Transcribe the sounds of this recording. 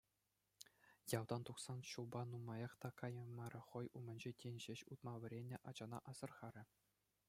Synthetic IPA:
jɑwd̪ɑnt̪uksɑnɕulˠbɑnumɑjɑχt̪ɑkʰɑjɤ̆mɑɾʲɘ̆χɤ̆jʔumʲɘ̆nʲd͡ʑetʲenʲʑeɕut̪mɑʋʲɘ̆ɾʲenʲːĕʔɑd͡ʑɑnɑ̰ʔɑz̥ɤ̆rχɑɾʲɘ̆

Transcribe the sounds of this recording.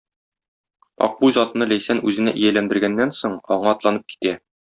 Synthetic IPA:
ɒ̰q̚bujzɒt̪ɤ̆nɤlæjsænʉzɘ̆næʔijælænd̪ɘ̆ɾɡænːænsoɴɒɴɑɒt̪lˠɑnɤp̚ki̥t̪æ

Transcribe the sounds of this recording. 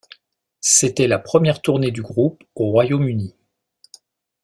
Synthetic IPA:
set̪ɛlapχəmjɛʁt̪uʁned̪yɡʁup | oʁwajomyni

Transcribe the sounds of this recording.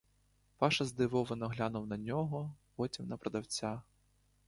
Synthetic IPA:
pɑʃɐzd̪ɪʋɔʋɪnɐɦlʲanʊwnɐnʲɔɦɔpɔtʲimnɐpɾɐd̪ɐwt͡sʲa

